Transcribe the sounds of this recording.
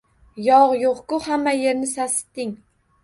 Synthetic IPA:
jɒʁjoqkʊhamːaje̞ɾnɪsasɪ̥t̪ːɪŋ

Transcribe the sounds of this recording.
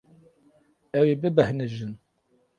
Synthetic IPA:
æwibəbəhnəʒːən

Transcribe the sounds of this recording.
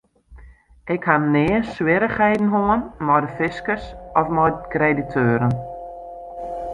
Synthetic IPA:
ʔɪkhanɪəswɪɾəχɛjdn̩ɦoənmɔjdəfɪskərsɔfmɔjkreditʰøːɾən

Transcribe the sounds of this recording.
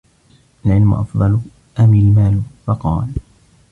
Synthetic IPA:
ʔalʕɪlmʊ̰ʔɑ̰fd̪ˤɑl | ʔamɪlmaːlfɑqɑ̰ːl

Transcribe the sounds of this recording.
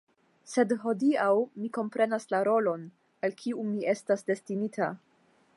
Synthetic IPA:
se̞dɦo̞diawmiko̞mpɾe̞naslaɾo̞lo̞n | alkʰiumiʔe̞stasde̞stinitʰa

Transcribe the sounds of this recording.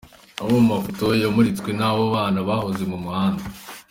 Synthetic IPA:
aβomumafoto̞jamuɾit͡skwenawoβaːnaβahozemumuhaːnda

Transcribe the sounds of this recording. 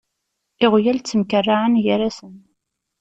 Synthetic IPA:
ɪʁjælt͡sːəmkərːaʕənjəɾasən

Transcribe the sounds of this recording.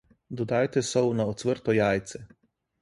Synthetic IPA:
d̪ɔd̪aːjt̪ɛsɔwnaɔt̪sʋəɾt̪ɔjaːjt̪sɛ

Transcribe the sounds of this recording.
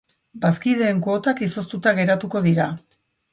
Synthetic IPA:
baskiðe̞ːŋkoːt̪akiso̞st̪ut̪aɣ̞e̞ɾat̪uko̞ðiɾa

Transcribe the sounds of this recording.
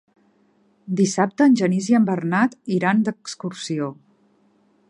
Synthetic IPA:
d̪isap̚t̪əːnʲʒəniziəmbərnat̪iɾand̪əkskursio

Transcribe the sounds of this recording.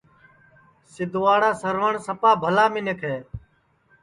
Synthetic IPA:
sɪd̪ʱʊʋaːɽaːsəɾʋəɳsəpaːbʱəlaːmɪ̃nekʰeː

